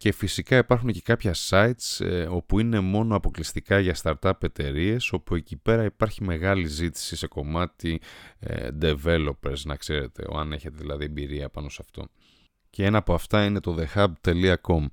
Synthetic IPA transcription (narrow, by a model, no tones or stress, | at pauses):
ce̞fisikɐipɐɾxunce̞kɐpçɐsɐit̪so̞puine̞mo̞no̞ɐpo̞klist̪ikɐʝɐst̪ɐɾt̪ɐpe̞t̪e̞ɾie̞so̞pue̞cipe̞ɾɐipɐɾçime̞ɣɐlizit̪i̥sise̞ko̞mɐt̪ḭ | d̪e̞ve̞lo̞peɾsnɐkse̞ɾe̞t̪ʰe̞̰o̞̰ɐne̞çet̪eðilɐðiembiɾiɐpɐno̞sɐft̪o̞̰ | ce̞enɐːpoɐft̪ɐine̞t̪o̞ðe̞xɐb̚t̪e̞liɐko̞m